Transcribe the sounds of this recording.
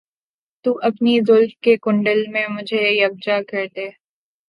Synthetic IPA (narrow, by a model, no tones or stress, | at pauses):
t̪uʔɐpnizʊlmkekʊ̃ɳɖəlmẽmʊd͡ʒʱejɐb̚d͡ʒakɐɾt̪eː